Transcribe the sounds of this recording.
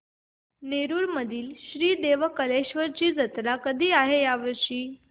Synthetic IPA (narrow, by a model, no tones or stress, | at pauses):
neɾuːɾməd̪ʱiːlɕɾiːd̪eʋəkəleɕʋəɾt͡ɕiːd͡zət̪lakəd̪ʱiːaɦejaʋəɾɕiː